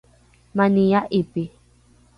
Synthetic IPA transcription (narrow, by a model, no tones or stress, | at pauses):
mãnijaʔipi